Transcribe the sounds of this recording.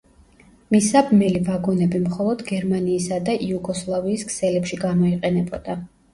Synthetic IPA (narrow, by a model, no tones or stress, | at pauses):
misabmɛlivaɡɔnɛbimχɔlˠɔd̪ɡɛɾmaniːsad̪aʔiuɡɔslˠaviːskʰsɛlɛpʃiɡamɔiqʼɛnɛbɔd̪̥a